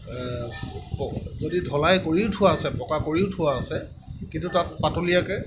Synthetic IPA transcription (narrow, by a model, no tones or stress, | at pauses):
pɔzodidʱɔlajkoɹiʊtʰʊwasɛpɔkakoɹiʊtʰʊwaːsɛ | kintutat̚patolijakɛ